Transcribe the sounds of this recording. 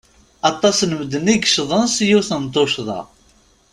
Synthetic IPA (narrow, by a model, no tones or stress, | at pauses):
ɑt̪ˤːɑsnəməd̪əniɡʃðˤənsjuwθənt̪ˤːoʃðˤɑ̰